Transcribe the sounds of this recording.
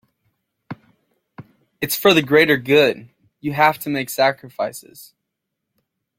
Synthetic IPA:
ɨtsfə˞ðɨɡɹeɪɾə˞ɡʊd̥ | jɨɦæftʰɨmeɪksækɹɨfaɪsɨ̰z̥

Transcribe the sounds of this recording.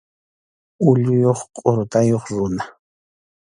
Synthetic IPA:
ʊʎʊjoχqʼoɾʊt̪ajoχɾʊna

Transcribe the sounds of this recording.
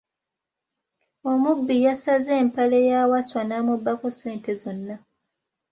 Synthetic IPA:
omubːijasaze̞ːmpale̞jawaswanamubːakose̞ːnte̞zonːa

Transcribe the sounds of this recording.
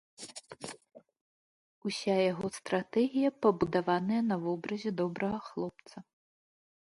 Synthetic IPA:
usʲajaɣɔst̪ɾat̪ɛɣʲijɐpɐbud̪avanɐjɐnɐvɔbɾɐzʲɛd̪ɔbɾɐɣɐxlˠɔp̚t̪sɐ

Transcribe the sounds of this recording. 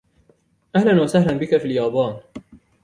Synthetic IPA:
ʔahlanwasahlanbɪkafiljɑːbɑːn

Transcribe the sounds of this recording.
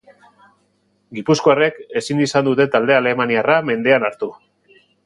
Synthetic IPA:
ɡipuskoare̞ke̞sinisand̪ut̪e̞t̪ald̪e̞ale̞maniarame̞nd̪e̞anaɾt̪u

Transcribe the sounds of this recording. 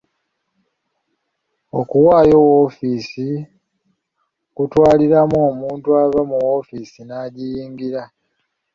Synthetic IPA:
o̞kuwaːjo̞wo̞fiːsi | kutwaːliɾamoːmuːntuavamuwo̞fisinaːɟijiːŋɡiɾa

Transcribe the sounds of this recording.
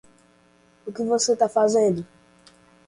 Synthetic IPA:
ukivɔsetafazɛ̃di

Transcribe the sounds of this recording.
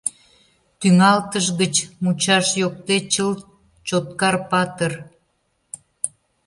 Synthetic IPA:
t̪yŋɑlt̪əʒɣət͡ɕmut͡ɕɑʃjok̚t̪et͡ɕəl | t͡ɕot̪̚kɑrpɑt̪ər

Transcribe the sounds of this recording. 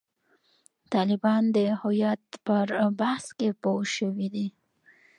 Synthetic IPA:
t̪ɑlɪbɑnd̪əhʊjat̪̚pəɾbahskepoʃəwid̪i

